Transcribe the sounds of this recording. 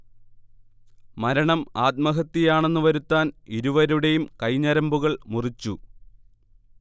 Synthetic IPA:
mɐɾɐɳɐmaːt̪̚mɐɦɐt̪ːijaːɳe̞nːuʋɐɾut̪ːaːniɾuʋɐɾuɽe̞jumkɐjɲɐɾɐmbuɣɐɭmurit͡ɕːu

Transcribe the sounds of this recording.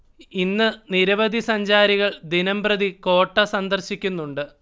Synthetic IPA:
inːɨniɾɐʋɐd̪ʱisɐɲd͡ʑaːɾiɣɐɭd̪inɐmbrɐd̪iko̞ːʈːɐsɐnd̪ɐrɕikʲːunːuɳɖɨ

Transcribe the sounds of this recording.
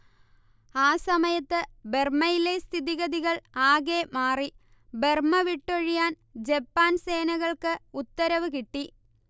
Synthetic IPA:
aːsɐmɐjɐt̪ːɨbe̞rmɐjile̞st̪ʰiðiɣɐðiɣɐɭaːɣeːmaːri | be̞rmɐʋiʈːoɻijaːn | d͡ʑepːaːnse̞ːnɐɣɐɭkɨut̪ːɐɾɐʋɨkiʈːi

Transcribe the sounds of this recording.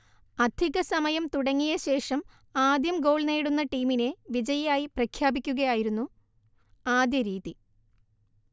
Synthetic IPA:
ɐd̪ʱiɣɐsɐmɐjɐmt̪uɽɐŋːijɐɕe̞ːʂɐm | aːd̪jɐmɡo̞ːɭne̞ːɽunːɐʈiːmine̞ʋid͡ʑɐjɐjaːjiprɐkʰjaːbikʲːuɣɐjaːjiɾunːu | aːd̪jɐɾiːði

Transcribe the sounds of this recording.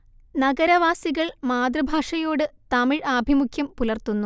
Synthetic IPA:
nɐɡɐɾɐʋaːsiɣɐɭmaːd̪rɐbʱaːʂɐjoːɽɨt̪ɐmiɻaːbʱimukʰjɐmpulɐrt̪unːu

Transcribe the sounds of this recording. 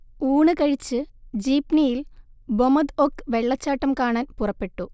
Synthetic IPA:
uːɳɨkɐɻit͡ɕːɨd͡ʑiːpnijil | bomɐd̪okːɨʋe̞ɭːɐt͡ɕːaːʈːɐmkaːɳaːnpurɐpːe̞ʈːu

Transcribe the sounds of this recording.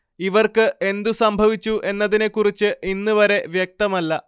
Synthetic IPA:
iʋɐrkɨʔe̞nd̪usɐmbʱɐʋit͡ɕːuʔe̞nːɐðine̞kːurit͡ɕːɨʔinːuʋɐɾe̞ʋjek̚t̪ɐmɐlːɐ

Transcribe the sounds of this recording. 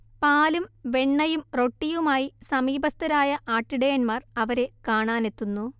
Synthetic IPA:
paːlumʋe̞ɳːɐjumro̞ʈːijumaːjisɐmiːbɐst̪ɐɾaːjɐʔaːʈːiɽejɐnmaːrɐʋɐɾe̞kaːɳaːne̞t̪ːunːu

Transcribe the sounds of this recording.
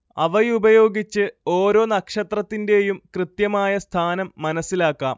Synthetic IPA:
ɐ̰ʋɐjubɐjo̞ːɡit͡ɕːɨo̞ːɾo̞ːnɐkʂɐt̪rɐt̪ːinde̞jumkrɨt̪jɐmaːjɐst̪ʰaːnɐmːɐnɐsːilaːkːa̰ːm

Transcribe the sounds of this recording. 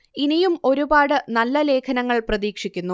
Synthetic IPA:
inijumo̞ɾubaːɽɨnɐlːɐle̞ːkʰɐnɐŋːɐɭprɐðiːkʂikʲːunːu

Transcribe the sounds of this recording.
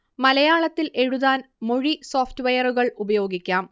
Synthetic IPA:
mɐlɐjaːɭɐt̪ːilʔe̞ɻuðaːnmo̞ɻiso̞ːftuʋɐjɐruɣɐɭubɐjo̞ːɡikʲːaːm

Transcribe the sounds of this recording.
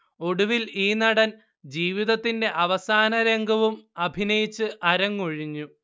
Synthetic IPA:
o̞ɽuʋiliːnɐɽɐn | d͡ʑiːʋiðɐt̪ːinde̞ʔɐʋɐsaːnɐɾe̞ŋɡʱɐʋumɐbʱinɐjit͡ɕːɨʔɐɾɐŋːoɻiɲːu

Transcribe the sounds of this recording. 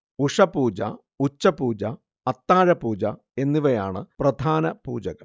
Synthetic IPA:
uʂɐpuːd͡ʑɐ̰ | ut͡ɕːɐpuːd͡ʑɐ | ɐt̪ːaːɻɐpuːd͡ʑɐ | e̞nːiʋɐjaːɳɨprɐd̪ʱaːnɐpṵːd͡ʑɐɣɐ̰l

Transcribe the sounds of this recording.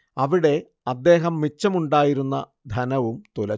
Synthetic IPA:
ɐʋiɽe̞ | ɐd̪ːe̞ːɦɐmːit͡ɕːɐmuɳɖaːjiɾunːɐ̰ | d̪ʱɐnɐʋumt̪olɐ

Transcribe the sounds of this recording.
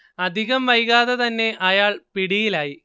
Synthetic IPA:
ɐd̪ʱiɣɐmʋɐjɣaːðɐt̪ɐnːe̞ʔɐjaːɭpiɽijilaːji

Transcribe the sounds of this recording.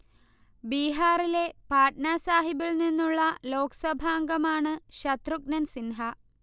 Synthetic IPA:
biːɦaːrile̞paːʈnaːsaːɦibiɭninːuɭːɐlo̞ːkɐ̥sɐbʱaŋɡɐmaːɳɨɕɐt̪ruk̚nɐnsinɦɐ

